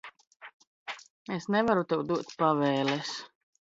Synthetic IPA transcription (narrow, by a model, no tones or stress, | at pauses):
esnɛvaɾut̪ɛwd̪uɔt̪pavɛːlˠɛs